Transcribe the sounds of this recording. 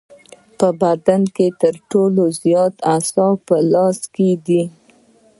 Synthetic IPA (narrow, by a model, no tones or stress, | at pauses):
pəbad̪anket̪əɾʈolozjɑt̪asɑpəlɑsked̪i